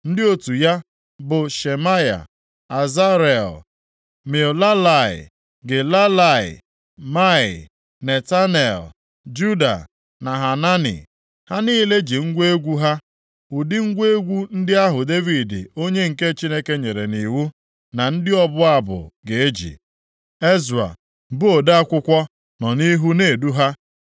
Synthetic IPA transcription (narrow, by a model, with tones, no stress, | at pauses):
n̩˦dɪ˦o˦tu˨ja˦ | bʊ˨ʃe˨ma˦ja̰˨ | a˨za˦ɾe˨l | me˨o˨la˦la˨ɪ̰˨ | ɡe˨la˦la˨ɪ̰˨ | ma˦ɪ̰˨ | ne˨ta˦ne˨l | d͡ʒu˦da̰˨ | na˨ɦa˨na˦nḭ˨ | ha˦niː˦le˦d͡ʒi˨ŋ̩˦ɡʷe˦ɡʷu˦ɦa˦ | u˨dɪ˦ŋ̩˦ɡʷe˦ɡʷu˦n̩˦dɪ˦a˦ɦʊ˨de˦vi˨dɪ̰˨o˦ɲe˦ŋ̩˨ke˦t͡ʃi˦ne˦ke˦ɲe˨ɾe˨ni˨wu˦ | na˨n̩˦dɪ˦ɔ˦bʊ˦a˦˨bʊ̰˨ɡe˨e˦d͡ʒḭ˨ | e˦za̰˨ | bʊ˦o˨da˦a˦kʷʊ˦kʷɔ˦ | nɔ˨ni˦ɦu˦ne˨du˦ɦa˦